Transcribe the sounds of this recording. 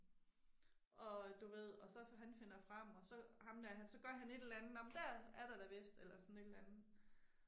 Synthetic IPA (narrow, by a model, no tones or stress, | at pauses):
ʔɒ̽d̥uʋe̝ð̞̰ˠɒ̽sɒ̽ɦænfe̝nɐfʁɑ̈m̰ɒ̽sɒ̽hɑ̈mlæɐɦænsɒ̽ɡ̥ɶɐɦæne̝d̥e̝lænð̩nɒ̽mnd̥æɐ̰æɐɾ̥ɑ̈ɾ̥æbesd̥elɐsɒ̽n̩e̝d̥elænð̩ˠ